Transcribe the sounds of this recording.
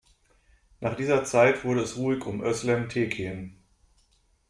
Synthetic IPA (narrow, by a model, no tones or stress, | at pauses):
nʔaːχd̥iːzɐt͡saɪtv̥ʊɐɾəɛsʁuːɪçʊmʔœslɛmtʰeːkʰeːən